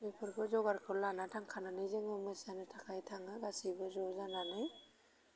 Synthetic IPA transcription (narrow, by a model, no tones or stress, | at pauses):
mepʰɯɾkʰɯzɔɡaɾkʰɯlanatʰaŋkʰananɯjzɯŋɯmɯsanɯtʰakʰajtʰaŋɯɡasibɯzɔzananɯj